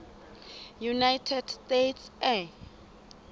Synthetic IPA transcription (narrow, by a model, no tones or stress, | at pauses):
junajtʰɛdstetʰsɛ